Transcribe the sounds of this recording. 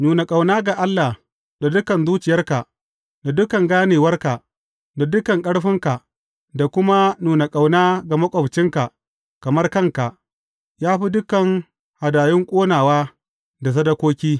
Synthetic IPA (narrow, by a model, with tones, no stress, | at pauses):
nuː˨na˨kʼa˨wnaː˦ɡa˨ʔa˦lːa˨h | da˨dʊ˦kɐ˨nzuː˦t͡ʃɪ˨jɐ˦rka˨ʔ | da˨dʊ˦kɐ˨ŋɡaː˦neː˨wɐ˦rka˨ʔ | da˨dʊ˦kɐ˨ŋkʼɐ˦ɽɸɪ˦ŋka˨ | da˨kʷʊ˦ma˦nuː˨na˨kʼa˨wnaː˦ɡa˨mɐ˦kʷʼɔ˨ɸt͡ʃɪ˦ŋka˨ | kɐ˨mɐ˦rkɐ˦ŋka˨ʔ | jaː˦ɸi˦dʊ˦kɐ˨ŋ | ha˨daː˨jɪ˦ŋkʷʼoː˦naː˨waː˦ | da˨s̬ɐ˦dɐ˦kʷoː˦kʲiː˦